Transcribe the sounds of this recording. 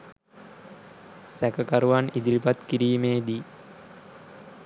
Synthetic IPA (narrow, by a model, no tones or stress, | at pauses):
sækəkaɾuʋanid̪ilipat̪kiɾiːmeːd̪i